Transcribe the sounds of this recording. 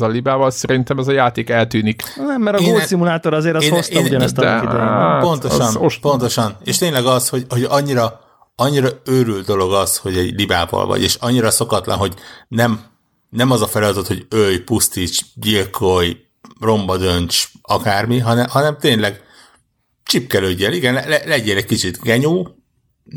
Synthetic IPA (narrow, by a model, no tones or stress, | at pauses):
zɒlibaːvɒlsɛɾint̪ɛmɛzɒjaːt̪eːkɛlt̪yːniknɛmːɛɾɒɡoːlsimulaːt̪oɾɒzeːɾɛosteuɟnɛst̪dɛ̰ḭpo̞nt̪oʃɒnopo̞nt̪o̞ʃɒneːʃt̪eːɲlɛɡɒsho̞ɟho̞ɟɒɲːiɾɒ | ɒɲːiɾɒøːɾylt̪d̪o̞lo̞ɡɒsho̞ɟɛɟliba̰ːvɒ̰lvɒ̰ɟḛːʃɒɲːiɾɒso̞kɒt̪lɒ̰nɦo̞ɟnɛm | nɛmɒzɒfɛlɒt̪ot̪ho̞ɟøjpust̪it͡ʃɟilkʰoj | ro̞mbɒd̪ønt͡ʃɒkaːrmiɦɒnɛɦɒnɛmt̪eːnlɛɡ | t͡ʃipkɛløːɟːɛniɡɛnɛlɛlɛɟɛnɛckit͡ʃit̪ɡɛɲuː